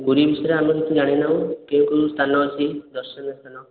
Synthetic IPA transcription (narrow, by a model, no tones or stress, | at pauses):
ɡuɾibisɔɾeamekit̪ʰud͡ʒaɽ̃enaũkeũkust̪ʰanɔːt͡ʃʰid̪ɔɾsɔnɔst̪ʰanɔ